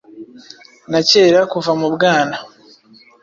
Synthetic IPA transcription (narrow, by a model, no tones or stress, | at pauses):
nace̞ːɾakuvamubɡaːna